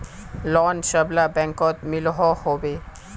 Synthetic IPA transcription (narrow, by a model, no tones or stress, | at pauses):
lɔnʃəblabɛŋkot̪miloɦohobe